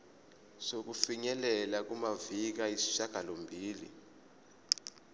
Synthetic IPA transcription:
sok̬ufiɲɛlɛlak̬umavik̬aisi̥ʃaɡ̥ʱalombʱiːlḭ

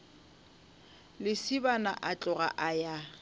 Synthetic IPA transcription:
lɪsɪbana̰ʔat͡ɬʼʊɣa̰ʔaja

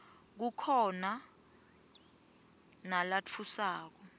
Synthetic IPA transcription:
k̬ukʰɔna | nalat͡fʰusaːk̬ɔ

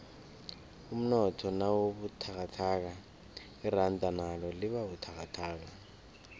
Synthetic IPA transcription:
um̩nɔtʰɔnawoβutʰakatʰak̬a | ɪran̩tʼanalɔlɪβabutʰakatʰaːk̬a

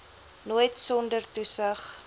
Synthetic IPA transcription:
nuːjtsɔndərtusəχ

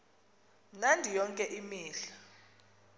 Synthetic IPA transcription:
mnandʱijɔŋkʼɛʔimiːɬḁ

